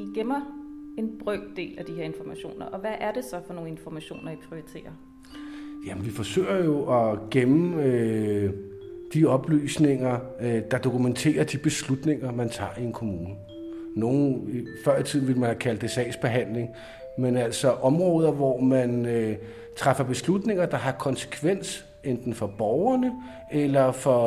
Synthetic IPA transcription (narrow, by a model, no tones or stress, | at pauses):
ɡ̥emɐe̝nb̥ʁœɡ̥̚d̥e̝̰ːlæd̥iheɐe̝nfɒmæɕo̝̰ːnɐʔɒ̽ʋæʔæɐd̥e̝sɒ̽fɒ̽no̝ːn̩e̝nfɒmæɕo̝̰ːnɐipʰio̝it͡sʰe̝̰ːɐ | jæmnʋifɒ̽sø̰ːɪɐjo̝ʔɒ̽ɡ̥emm̩ø | d̥iɒ̽b̥ly̰ːsne̝ŋɐ | d̥ɑ̈d̥o̝kument͡sʰe̝̰ːɐd̥ib̥e̝slud̥ne̝ŋɐmænt͡sʰɑ̈ːie̝nkʰo̝muːnə | no̝ːn̩ifɶɐ̰it͡sʰið̰ˠn̩ʋe̝lmænhækʰæld̥esɛ̰ːsb̥e̝ɦæn̰le̝ŋ | menæl̰sɒ̽ʔɒ̽mʁɔ̽ːð̞ˠɐʋɒmænø | t͡sʰʁafɐb̥e̝slud̥ne̝ŋ̰ɐd̥ɑ̈ɦɑ̈kʰɒ̽nsə̥kʰʋen̰s | end̥n̩fɒ̽b̥ɒʊɐnə | elɐfɒ̽